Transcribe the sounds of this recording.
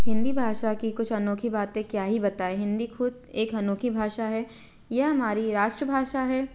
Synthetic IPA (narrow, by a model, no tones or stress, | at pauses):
ɦɪ̃nd̪ibʱaːʃakikʊt͡ʃʰɐnoːkʰibaːt̪ẽkjaːɦibɐt̪aːeɦɪ̃nd̪ixʊd̪̚ | eːkɦɐnoːkʰibʱaːʃaɦɛ | jeɦɐmaːɾiɾaːʃʈɾəbʱaːʃaɦɛː